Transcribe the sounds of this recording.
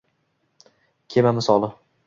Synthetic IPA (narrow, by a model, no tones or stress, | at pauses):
kʲʰemamɪsɒlˠɪ